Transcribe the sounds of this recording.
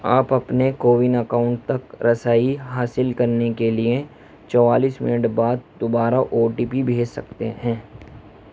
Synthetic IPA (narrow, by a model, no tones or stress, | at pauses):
aːpɐpnekoːʋɪnɐkaːʊ̃ɳʈ̚t̪ɐkɾɐsaːiɦaːsɪlkɐɾnekelie | t͡ʃɔːʋaːliːsmɪ̰nəʈbaːd̪̚d̪obaːɾaʔoːʈiːpibʱeːd͡ʒsɐ̰kt̪eɦɛ̃ː